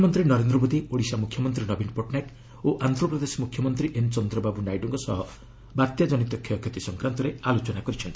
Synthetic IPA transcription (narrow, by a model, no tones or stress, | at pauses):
mɔnt̪ɾinɔɾend̪ɾɔmod̪ioɽisamukʰjɔmɔnt̪ɾinɔbinpɔʈnaʈ | oʔant̪ɾɔpɾɔd̪esmukʰjɔmɔnt̪ɾiʔent͡ʃɔnd̪ɾɔbabunajʈɔŋkɔsɔɦɔ | baɾt̪jad͡ʒɔnit̪ɔkʰjɔkʰjɔt̪isɔŋkɾant̪ɔɾealot͡ʃɔnakɔɾit͡ʃʰɔnt̪ʰi̥